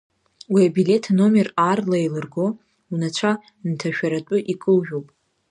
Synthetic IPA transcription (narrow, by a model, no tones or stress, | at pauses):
wiabile̞tʰno̞mʲe̞rarlajlɨrɡo̞ | unat͡ɕʷʰa | ntʰaʃᶣaɾatʷʼʊʔikʼɨlʒᶣowpʼ